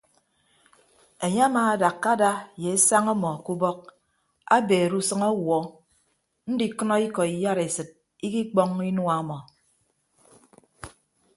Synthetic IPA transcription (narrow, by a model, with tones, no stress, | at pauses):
e˨ɲe˦a˦maː˨a˦da˨kːa˦da˦je˨e˦sa˦ŋɔ˦mɔ˨ku˦bɔ˦k̚ | a˦beː˨ɾu˦sɨ˦ŋɔ˦wɔ˨˦ | n̩˦di˨kɔ˦nɔ˦i˦kɔ˨i˨ja˦ɾe˨sɨ˨t̚ | i˦ki˦k͡pɔ˦ŋi˦nwa˦˨˦mɔ˨